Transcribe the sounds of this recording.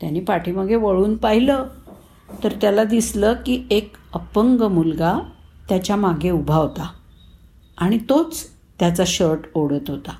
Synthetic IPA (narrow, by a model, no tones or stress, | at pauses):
t̪janiːpaʈʰiːməɡʱjeʋəɭuːnpaɦilə | t̪əɾt̪jalad̪isləkiːekəpəŋɡəmulɡat̪jat͡ɕjamaɡʱeubʱaʋt̪a | aɽ̃it̪ot͡s | t̪jat͡saɕəɾʈoɽət̪ɦot̪a